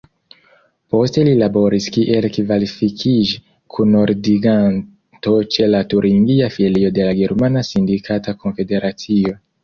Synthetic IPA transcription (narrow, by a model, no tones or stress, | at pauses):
po̞ste̞lilabo̞ɾiskiʔe̞lkivalifikʰid͡ʒi | kʰunoɾdiɡan | to̞t͡ʃe̞latuɾʔiŋɡiafielio̞de̞laɡeɾmanasindikʰatako̞nfe̞de̞ɾʔat͡sio̞